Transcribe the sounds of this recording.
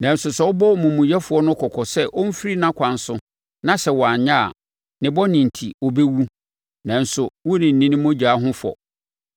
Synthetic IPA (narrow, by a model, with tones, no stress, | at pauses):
nã˨n˦sʊ˨sɛ˦wɔ˦bɔ˦mũ˨mũ˨jɛ˦fʊ˨˦ɔ˦nʊ̃˦kʰɔ˨kʰɔ˨sɛ˦ʔo˦m̩˦fi˦ɾi˦nã˦kʷʰã˨n˦sʊ̃˦ | nã˦sɛ˨wɔ˨a˨ɲã˦˨a̰˨ | nɪ̃˨bɔ˦nɪ̃˨n̩˨tʰi˨o˨be˦wu˦ | nã˨n̩˨sʊ˨wʊ˦nɪ̃˨n̩˨nĩ˦nɪ̃˦mʊ̃˦d͡ʑaː˨˦ɦʊ̃˦fɔ̰˨